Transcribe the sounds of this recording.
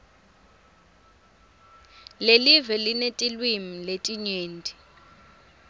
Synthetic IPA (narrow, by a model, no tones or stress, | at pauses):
lelivɛlinetʼilwimiletʼiɲweːndʱʼi